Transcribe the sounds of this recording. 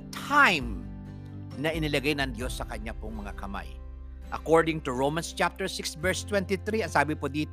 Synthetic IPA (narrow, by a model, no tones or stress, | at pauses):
t̪ʰajm | nɐʔɪnɪlɐɡajnɐŋd̪jo̞sːɐkɐɲapoŋmɐŋakɐma̰j | ʔɐkoɹd̪ɪŋt̪ʊɹowmɐnst͡ʃap̚t̪ɛɹsɪksvɛɹst̪wɛnt̪ɪθɾiɐŋsaːbɪpod̪iːt̪